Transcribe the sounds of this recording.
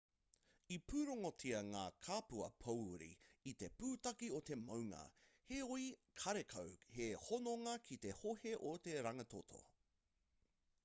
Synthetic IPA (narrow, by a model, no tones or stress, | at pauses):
ipʰʉːɾoŋotʰiɐŋaːkʰaːpuɐ̰pʰɐwɾḭit̪e̞puːtɐkiot̪e̞mɐwŋɐ̰heoikʰɐɾekʰɐwhehonoŋɐkʰit̪e̞hoheʔot̪eɾɐŋɐt̪ʰot̪ʰo̰